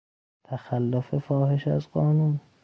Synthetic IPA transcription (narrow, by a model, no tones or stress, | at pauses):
t̪ʰæxælːofefɒːheʃæ̰zɢɒːnun